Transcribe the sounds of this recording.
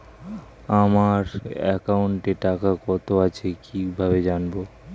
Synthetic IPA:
amaɾɛ̰kauɳʈeʈakakɔt̪oat͡ɕʰekʰibʱaβed͡ʑanbo

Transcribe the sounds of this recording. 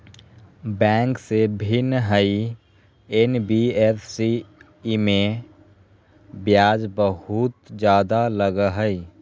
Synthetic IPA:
bɛ̃ːŋksebʱɪnɦəi | enbiepʰsi | mẽ | bjaːd͡ʒbəɦut̪d͡ʒjaːd̪aləɡəɦəi

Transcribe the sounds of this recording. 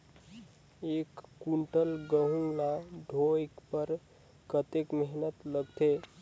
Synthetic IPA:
ekːuɳʈəlɡəɦũlaɖʱoekpəɾ | kət̪ekməɦnət̪ləɡt̪ʰe

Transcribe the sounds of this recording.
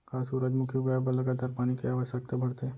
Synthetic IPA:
kʰasuɾəd͡ʒmukʰjuɡəjabələɡat̪aɾpañikeaʋəʃək̚t̪abʱəɽt̪e

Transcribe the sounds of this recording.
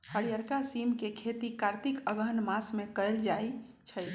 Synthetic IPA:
həɽijəɾkasimkekʰet̪ikaɾt̪ikəɡənmasmekəjld͡ʒaj | t͡ʃʰə

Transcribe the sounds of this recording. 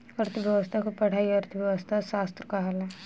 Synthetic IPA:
ɐɾt̪ʰʋjɐʋəst̪ʰakopɐɽ̤aːiɐɾt̪ʰəʋjɐʋəst̪ʰaʃaːst̪ɾəkaɦalɛ

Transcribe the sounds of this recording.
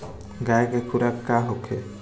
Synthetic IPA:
ɡajkɛkʰuɾakːaɦokʰɛ

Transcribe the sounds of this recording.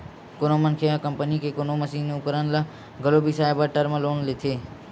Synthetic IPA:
kʊnomənkʰeakəmpənikeːkʊnoːməsiːnʊkəɾənlə | ɡəloːbisaːɪbəʈəɾməloːnlɪt̪ʰeː

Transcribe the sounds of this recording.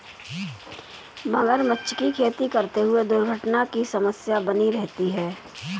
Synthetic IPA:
bɐ̃ŋɡəɾmət͡ʃt͡ʃʃkikʰeːt̪ikɐɾt̪eɦʊed̪ʊɾɡʱəʈnakisɐməsjabɐniɾɛɦt̪iɦɛː

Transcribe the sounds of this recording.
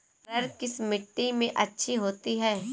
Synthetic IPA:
ɾɐɾkɪsmɪʈːimẽʔɐtːʃʰiɦoːt̪iɦɛː

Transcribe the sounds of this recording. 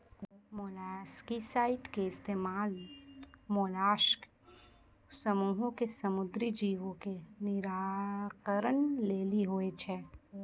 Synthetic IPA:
moːlaːʃkisaːɪʈkeɪst̪eːmaːl | moːlaːʃk | sɐmuːɦõkesɐmʊd̪ɾid͡ʒiːʋõkenɪɾaːkəɾəɳleːliɦʊet͡ʃʰɛː

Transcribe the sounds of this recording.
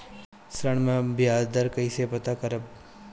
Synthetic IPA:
sɾəɽ̃mẽbjaːd̪ɐɾkɐisepɐt̪akɐɾəb

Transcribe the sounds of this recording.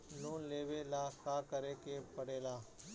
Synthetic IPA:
loːnleːʋelaːkaːkəɾeːkepəɽeːlaː

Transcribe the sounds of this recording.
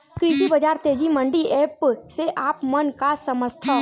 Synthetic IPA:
kɾiːt̪ibəd͡ʒaːɾt̪eːd͡ʒimə̃ɳɖiɛːpseʔaːpmənkasəməst̪ʰa

